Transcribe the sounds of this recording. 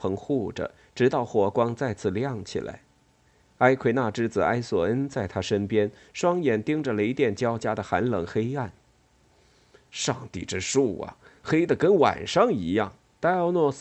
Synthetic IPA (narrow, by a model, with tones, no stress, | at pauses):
pʰɤ˧˥ŋxu˥˩ʈ͡ʂə̰˩ | ʈ͡ʂɻ̩˧˥t̪ɑ˥˩ʊxwɔ˨˥˩kwɑ˥ŋt͡sa˥˧ɪt͡sʰɹ̩˥˩ljɑ˥˩ŋt͡ɕʰḭ˨˩lʔa̰˧˥ɪ | a˥ɪkʰwe˧˥˩na˥˩ʈ͡ʂɻ̩˥d͡zɹ̩˨˩a˥ɪswɔ˨˩ə˥nt͡sa˥˩ɪt̪ʰa˥ʂə˥npjɛ˥n | ʂwɑ˥ŋjɛ˨˩nt̪i˥ŋʈ͡ʂə˨˩lə˨˩i˧˥t̪jɛ˥˩nt͡ɕjɑ˥ʊt͡ɕja˥d̪ə˨xa˧˥nlɤ˨˩ŋxe˥ɪa˥˩n | ʂɑ˥˧ŋt̪ḭ˥˩ʈ͡ʂɻ̩˥ʂu˥˩ɐ̰˨˩xe˥ɪd̪ə˨kə˥nwa̰˨˩nʂɑ˥ŋi˧˥jɑ˥˩ŋ | t̪a˥ɪɑ˥˧ʊnwɔ˥˧s